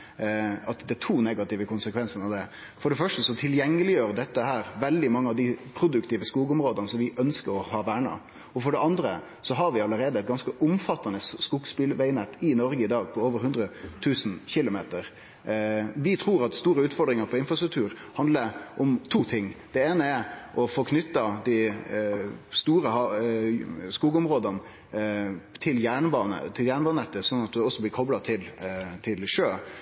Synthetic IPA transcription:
ɑt̪d̪ɛt̪ʰuːnɛɡɑt̪ɪʋəkʰʊnsəkʰʋɛnsən̩ɑʋd̪ɛ | fɔɖɛfœʂʈəsɔt̪ʰɪljɛŋːəlɪjøːɾd̪ɛt̪ːəhæːɾʋɛld̪ɪmɑŋːəɑʋd̪ɪpʰɾʊd̪ʉkt̪iːʋəskuːɡʊmɾoːd̪ənəsɔmʋɪʔœnskəɾɔhɑːʋæːɳɑ̰ | ɔfɔɖɛɑnd̪ɾə̰ | sɔɦɑɾʋɪɑləɾeːd̪əɛt̪ɡɑnskəʔʊmfɑt̪ːɑnəsskuɡspɪlʋæɪnɛt̪ːɪnɔɾɡəɪd̪ɑːɡpʰɔoːʋəɾhʉnd̪ɾət̪ʰʉːsn̩çɪlʊmeːt̪əɾ | ʋɪt̪ʰɾuːɾɑt̪st̪uːɾəʉːt̪fɔɖ̪ɾɪŋəɾpʰɔɪnfɾɑst̪ɾʉk̚t̪ʰʉːɾ | hɑnd̪ləʔɔmt̪ʰuːt̪ʰɪŋːd̪̥ɛeːnəɛɾʔɔfɔkʰnʏt̪ːɑd̪æ | st̪uːɾəhɑ | skuːɡʊmɾoːd̪ɑn | t̪ʰɪljæːɳbɑːnə̰t̪ʰɪljæːɳbɑːnɛt̪ːəsɔnːɑt̪̚d̪ʉɔsːɔblɪɾkʰɔblɑt̪ʰɪlt̪ʰɪlʂøː

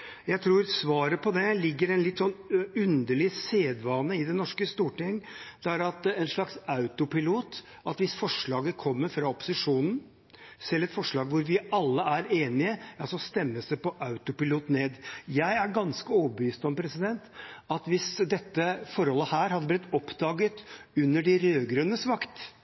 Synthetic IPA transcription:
jæɪt̪ʰɾuːɾsʋɑːɾəpʰɔd̪ɛlɪɡːəɾɛnlɪt̪ːsɔnːʉnd̪əɭɪseːd̪ʋɑːnəɪd̪ɛnɔʂkəst̪uːʈɪŋːd̪̥ɛæɾɑt̪ɛnʂɭɑksɑʉt̪ʊpɪluːt̪ | ʔɑt̪ʋɪsfɔʂɭɑːɡəkʰɔmːəɾfɾɑɔpʊ̥sɪʂuːnn̩ | sɛlːɛt̪fɔʂɭɑːɡʋʊɾʋɪɑlːəæɾeːnɪəɑsɔst̪ɛmːəsæpɔʔɑʉt̪ʊpɪluːt̪neːd̪jæɪæɾɡɑnskəoːəbəʋyːst̪ɔmpʰɾɛsɪd̪ɛnt̪ɑt̪ʋɪsd̪ɛt̪ːəfɔɾhɔlːəhæːɾhɑd̪ːəblɪt̪ːɔpd̪ɑːɡət̪ʉnːəɖɪɾøːɡɾønəsʋɑkt̪

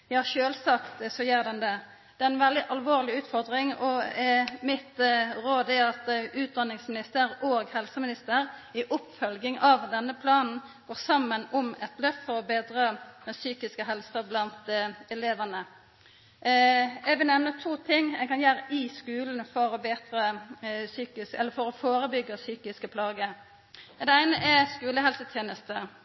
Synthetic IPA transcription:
jɑːʃøːlsɑkt̪sɔjøːʁd̪ɛnd̪ɛ | d̪̥ɛːɛnʋɛld̪ɪʔɑlʋoːʁlɪʉːt̪fɔʁd̪ʁɪŋɔɛmɪt̪ɾoːd̪ɛɑt̪ʉːt̪̚d̪ɑnːɪŋsmɪnɪst̪əɾoːɡhɛlsəmɪnɪst̪əɾɪʔʊpfœlɡɪŋʔɑʋd̪ɛnːəpʰlɑːnn̩ɡ̥oːʁsɑmːənɔmɛt̪lœft̪fɔʁɔbeːd̪ʁəsyːkɪskəɦɛlsəblɑnt̪ɛleːʋənə | ɛʋɪnɛʋnət̪ʰuːt̪ʰɪŋːɛɡkɑnjæːɾʔɪskʉːln̩fɔɾɔbeːt̪ɾəsyːkɪskɛlːəɾfɔɾɔfoːɾəbʏɡəsyːkɪskəpʰlɑːɡə | d̪ɛæɪnəʔɛskʉːləɦɛlsət̪ʰjeːnəst̪ə

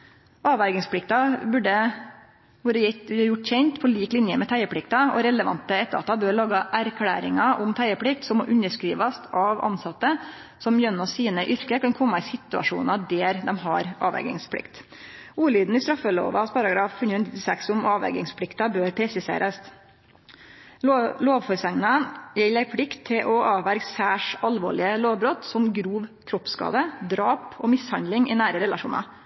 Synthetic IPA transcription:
ɑːʋæɡɪŋspʰlɪk̚t̪ɑbʉɖə | bʉːɾəɛjʊʈːçɛnt̪pʰɔɭiːklɪnjəmɛt̪ʰæɪəpʰɽɪkt̪ɑɔ̰ɾɛləʋɑ̰nt̪əɛt̪ːəɾɑ̰t̪ːɑbøːɾɭɑːɡɑʔæɾkʰɽæ̰ːɾɪŋɑʔʊmt̪ʰæɪəpʰɽɪk̚t̪sɔmɔʔʉnəʂkɾiːʋɑst̪ʰɑʋɑ̰nsɑt̪ːə | sɔmjœnːɔsiːnəʔʏɾkəkɑnkʰɔmːɑɪsɪt̪ʉɑ̰ʂṵːnɑd̪eːɾd̪ɛmɦɑ̰ɾɑ̰ːʋɛ̰ɡɪ̰ŋspʰlɪ̰kt̪ | uːliːd̪n̩ɪst̪ɾɑfːəlo̰ːʋɑspʰɑɾɑɡɾɑːffʉnʉnɪt̪ɪsɛksʊmɑːʋɛ̰ɡɪŋspʰlɪkt̪ɑbøːɾpʰɾɛsɪsḛːɾʔəs | loːʋfɔɾsɛŋnɑnjɛlæɪpʰlɪkt̪ʰːɪlʔɔʔɑːʋʋæɾɡsæːʂɑlʋo̰ːɭɪəloːʋbɾɔt̪sɔmɡɾuːʋkʰɾɔpskɑ̰ːd̪əd̪ɾɑːpɔmɪshɑnd̪lɪŋɪnæːɾəɾɛlɑʂuːnɑ̰

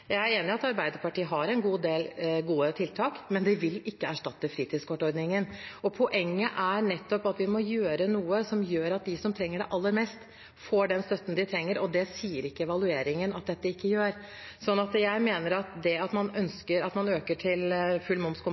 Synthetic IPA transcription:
jæɪæɾeːnɪɑt̪ɑɾbæɪd̪əɾpɑʈiːəɦɑɾɛnɡuːd̪eːlɡuːət̪ʰɪlt̪ʰɑːkmɛnd̪ɛʋɪlɪkːəæʂʈɑt̪ːəfɾiːt̪ʰɪd̪skʰɔʈːɔɾd̪nɪŋənɔpʰɔʔɛŋːəʔænɛt̪ːɔpɑt̪ʋɪmɔjøːɾənuːəsɔmjøːɾɑt̪̚d̪ɪsɔmt̪ʰɾɛŋːəɖɛʔɑlːəɾmɛst̪ | foːɖɛnst̪œt̪ːən̩d̪ɪt̪ʰɾɛŋːəɾɔd̪ɛsiːəɾɪkːəɛʋɑlʉeːɾɪŋənɑt̪̚d̪ɛt̪ːəɪkːəjøːɾ | sɔnːɑt̪jæɪmeːnəɾɑt̪d̪ɛɑt̪mɑnœnskəɾɑt̪mɑnøːkəʈʰɪlfʉlmʊmskʊ

